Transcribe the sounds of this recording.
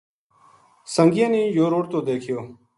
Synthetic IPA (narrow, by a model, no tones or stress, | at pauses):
səŋɡɪjẽːniːjoːɾoːɽt̪õːd̪eːkʰɪjoː